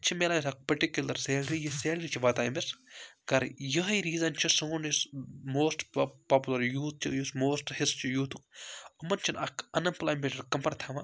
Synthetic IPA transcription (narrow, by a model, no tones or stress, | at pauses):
t͡ʃʰimeːlaisɐk̚pɐɾʈikjulɐɾseːlɾijiseːlɾit͡ʃʰiʋɐt̪aːjmɪsɡɐɾjɐɦiɾiːzɐnt͡ʃʰisuːnismoːsʈpaːpjulɐɾjuːt̪̚t͡ʃʰijusmoːsʈhist͡ʃʰijuːt̪ʰukɐmɐnt͡ʃʰinɐkɐnɐmplaːmeʈɐɾkɐmpɐɾt̪ʰaʋa